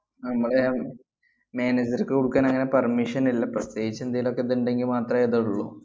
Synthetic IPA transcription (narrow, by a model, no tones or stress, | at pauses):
nɐmːɐɭe | meːned͡ʑɐrkːɨkuɽukːaːnɐŋːɐne̞pɐrmiʂɐnilːɐprɐst̪eːɡit͡ɕːɐend̪ajiːlo̞kːeðenɳɖe̞ŋɡilmaːt̪rɐeðɐuɭːṵ